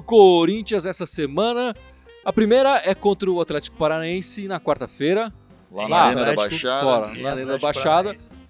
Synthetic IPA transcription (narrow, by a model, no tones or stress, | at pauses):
koɾĩnt͡ʃiɐzɛsɐsemɐ̃nɐ | ɐpɾimejɾɐɛkõnt̪ɾɐʊat̪lɛt͡ʃɪkʊ̥paɾanẽsɪnɐkwaɾt̪ɐfejɾɐ | lalãajʃafɔɾɐlalẽnɐɐbajʃad̪ɐ